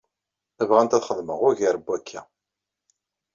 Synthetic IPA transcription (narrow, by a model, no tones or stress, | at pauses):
ævʁænt̪æθχəðˤməʁʊʝəɾəbːækʰːæ